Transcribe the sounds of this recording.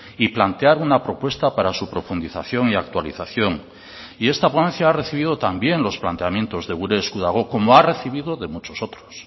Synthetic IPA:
iplant̪eaɾunapɾo̞pwe̞st̪apaɾasupɾo̞fund̪iθa̰θjo̞ŋiak̚t̪waliθaθjo̞ŋ | iest̪aponẽ̞nθjaareθiβ̞ið̞o̞t̪ambje̞ŋlo̞splant̪eamje̞nt̪o̞zðeɣuɾeːskuðaɣ̞oko̞moare̞θiβ̞iðo̞ðe̞mut͡ʃo̞sot̪ɾo̥s

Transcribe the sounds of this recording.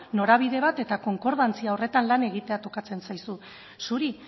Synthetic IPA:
no̞ɾaβ̞iðe̞β̞at̪e̞t̪ako̞ŋko̞ɾð̞ant͡siao̞re̞t̪anlane̞ɣit̪e̞at̪o̞kat͡se̞nsajsu | suɾi

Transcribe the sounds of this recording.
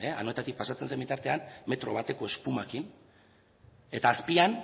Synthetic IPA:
ea̰no̞e̞t̪at̪ik̚pasat͡se̞ns̬ejmbit̪aɾt̪e̞anmːe̞t̪ɾo̞̰β̞at̪e̞ko̞e̞spumakin | e̞t̪aːspian

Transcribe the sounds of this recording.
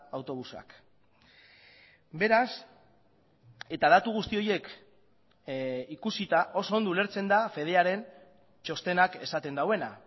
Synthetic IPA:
awt̪o̞β̞usa̰k | be̞ɾas | e̞t̪að̞at̪uɣ̞ust̪io̞je̞k | ikusit̪aʔo̞so̞nd̪ule̞ɾt͡se̞nd̪afe̞ð̞e̞aɾe̞n | t͡ʃo̞st̪e̞nake̞sat̪e̞nd̪awe̞na̰

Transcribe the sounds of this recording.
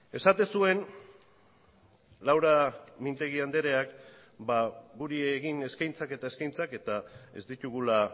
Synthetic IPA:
e̞sat̪e̞sue̞n | lawɾamint̪e̞ɣiand̪e̞ɾe̞ak | baɣuɾieɣine̞skajnt͡sake̞t̪aeskajnt͡sake̞t̪ae̞zd̪it̪uɣula

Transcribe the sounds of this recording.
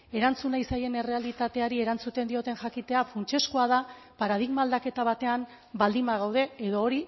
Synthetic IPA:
e̞ɾant͡sunajsaje̞ne̞re̞alit̪at̪e̞aɾie̞ɾant͡sut̪e̞nd̪io̞t̪e̞nʝakit̪e̞afunt͡ʃe̞skoað̞apaɾað̞iɣmaːld̪ake̞t̪aβ̞at̪e̞am | bald̪imbaɣ̞awð̞e̞eðo̞ːɾi

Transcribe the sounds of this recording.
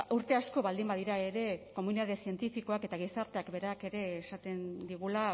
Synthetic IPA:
uɾt̪e̞asko̞βald̪imbaðiɾae̞ɾe̞ko̞muniðaðesie̞nt̪ifiko̞ake̞t̪aɣ̞isaɾt̪e̞akbe̞ɾake̞ɾe̞ːsat̪e̞nd̪iɣ̞ula

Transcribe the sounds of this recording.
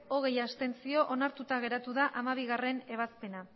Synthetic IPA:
o̞ɣ̞e̞jast̪e̞nt͡sio̞ʔonaɾt̪ut̪aɣ̞e̞ɾat̪uðaʔamaβ̞iɣare̞ne̞β̞aspe̞na

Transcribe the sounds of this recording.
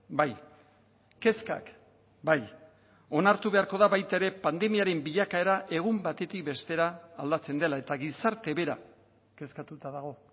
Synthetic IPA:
baj | ke̞ska̰k | baj | o̞naɾt̪uβe̞aɾko̞ðaβajt̪ae̞ɾe̞pand̪e̞miaɾe̞mbiʎakae̞ɾaʔe̞ɣ̞umbat̪e̞t̪ik̚be̞st̪e̞ɾaːld̪at͡se̞nd̪e̞lae̞t̪aɣisaɾt̪e̞βe̞ɾa | ke̞skat̪ut̪aðaɣ̞o̞

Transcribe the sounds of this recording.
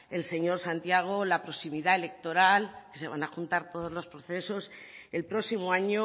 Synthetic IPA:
e̞lse̞ɲo̞ɾsant̪jaɣ̞olapɾo̞simiðae̞le̞k̚t̪o̞ɾalke̞se̞β̞anaxunt̪aɾt̪o̞ð̞o̞zlo̞spɾoθe̞so̞se̞lpɾo̞simoaɲo

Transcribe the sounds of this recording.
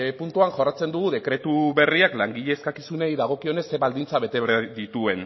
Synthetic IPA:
punt̪uanʝo̞rat͡se̞nd̪uɣ̞uðe̞kɾe̞t̪uβe̞riaklaŋɡiʎe̞ːskakisunejðaɣ̞o̞kio̞ne̞sːeβald̪int͡saβe̞t̪eðit̪ue̞n

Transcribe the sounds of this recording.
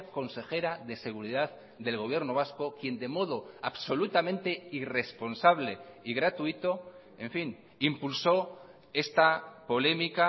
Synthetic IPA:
ko̞nse̞xe̞ɾaðe̞se̞ɣ̞uɾiðað | d̪e̞lɣo̞β̞je̞ɾno̞β̞asko̞kje̞nd̪e̞mo̞ðo̞aβso̞lut̪amẽnt̪e̞ire̞spo̞nsaβle̞iɣɾat̪uit̪o̞ | e̞ɱfin | impulso̞ | e̞st̪apo̞le̞mika

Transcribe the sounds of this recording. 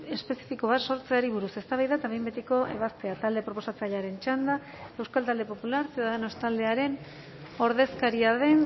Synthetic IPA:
e̞spe̞si̥fiko̞β̞aso̞ɾt͡seaɾiβuɾuse̞st̪aβajðaet̪aβejmbet̪eko̞ʔe̞̰β̞ast̪e̞at̪ald̪e̞pɾo̞po̞sat͡saʎaɾe̞nt͡ʃand̪a | e̞wskalt̪ald̪e̞po̞pulaɾseððanost̪ald̪e̞aɾe̞n | o̞ɾðe̞skaɾiaðe̞n

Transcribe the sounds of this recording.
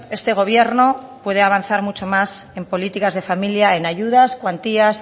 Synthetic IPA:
e̞st̪e̞ɣ̞o̞β̞je̞ɾno̞pwe̞ð̞e̞aβ̞an̟θaɾmut͡ʃo̞mas | e̞mpo̞lit̪ikazðe̞familjaenaʝuð̞askwant̪ias

